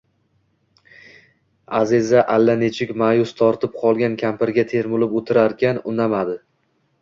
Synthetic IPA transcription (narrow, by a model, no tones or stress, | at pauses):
azɪzaʔalːanet͡ʃʰɪkʲmajʊst̪ʰɒɾt̪ʰɪp̚qʰɒlˠɡʲankʲʰampɪɾɡʲat̪ʰe̞ɾmʊlɪpot̪ʰɪɾaɾkʲʰanʊnamad̪ɪ